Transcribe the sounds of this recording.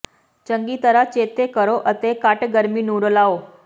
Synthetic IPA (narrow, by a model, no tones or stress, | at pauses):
t͡ɕəŋɡiːt̪əɾat͡ɕet̪ekəɾoʔət̪ekaʈɡəɾmiːnuɽolao